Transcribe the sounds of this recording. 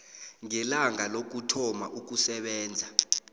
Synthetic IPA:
ŋɛlaŋalok̬utʰɔma̰ʔuk̬usɛɓɛːnd͡zʱa

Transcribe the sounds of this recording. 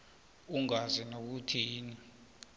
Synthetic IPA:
uŋazɛnok̬utʰiiːni

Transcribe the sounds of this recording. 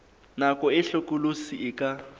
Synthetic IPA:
nakʼɔɪɬokʼulusiʔɪkʼa

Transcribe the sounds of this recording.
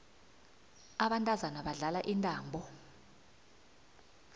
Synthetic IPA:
aɓantʼazanaɓaɮalaʔintʼaːmbʱɔ

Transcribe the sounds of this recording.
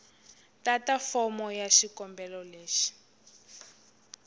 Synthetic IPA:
tatafɔmɔjaʃikɔmbɛlɔleːʃi̥

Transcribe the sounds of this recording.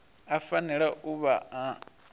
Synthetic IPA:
afaniɺaʔuβa

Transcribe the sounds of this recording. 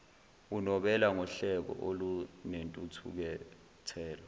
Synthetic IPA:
unɔɓɛlaŋɔɬɛɓɔ̰ʔolunentʼutʰṵk̬ɛ | tʰɛːlɔ

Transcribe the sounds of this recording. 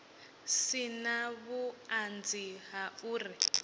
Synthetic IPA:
sinaβuand͡ziɦauːri

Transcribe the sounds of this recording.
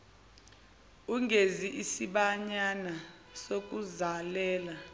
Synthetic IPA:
uŋʱeziʔisiɓaɲana | sok̬ʼuzalɛːla

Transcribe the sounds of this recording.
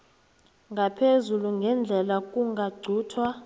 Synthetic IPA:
ŋɡʱapʰezuluŋɡʱɛnd͡ɮʱɛlak̬ʼuŋɡʱaɡ͡ǀʱuːtʰwa

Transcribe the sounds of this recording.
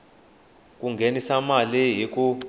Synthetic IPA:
k̬ʼuŋɡʱenisamaliɦik̬ʼu

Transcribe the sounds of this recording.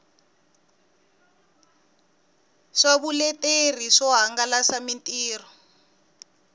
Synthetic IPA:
ʂaβulɛtʼer̤iʂɔɦaŋɡalasamintʼiːrɔ

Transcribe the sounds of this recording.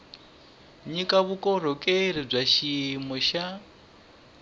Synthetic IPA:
ɲikʼaβukʼɔɾ̤ɔkʼeiɾib͡ʐʷaʃimɔʃa

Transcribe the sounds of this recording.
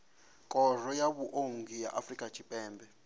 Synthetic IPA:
kʼɔrɔjaɓuʔoŋɡʱija̰ʔafrikʼad̥ʒ̥ʰʱipʼɛːmbʱɛ

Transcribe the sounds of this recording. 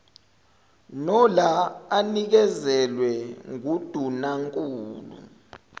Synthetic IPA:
nɔlaanik̬ɛzɛlwɛŋud̥ʱunaŋkʼuːlṵ

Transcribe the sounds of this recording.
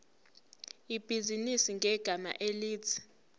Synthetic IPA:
ib̥ʱizinisiŋɡʱɛɡ̥ʱama̰ʔeliːt͡sʰi̥

